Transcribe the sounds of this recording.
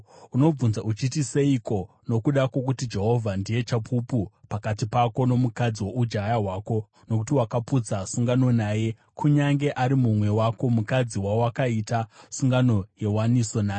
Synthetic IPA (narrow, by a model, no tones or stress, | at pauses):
uno̞b͡vunzaʔut͡ʃitise̞ikʰo̞ | no̞kuɗako̞k̬utid͡ʒe̞ɦo̞vʱandije̞t͡ʃapʰupupakatipako̞no̞mukad͡ziwoʔud͡ʒajaɦwaːko̞ | no̞k̬utiwakaput͡sasuŋɡano̞naje̞ | kʰuɲaŋɡe̞ʔaɾimumwe̞wako̞mukad͡ziwaowakaitasuŋɡano̞je̞waniso̞naːe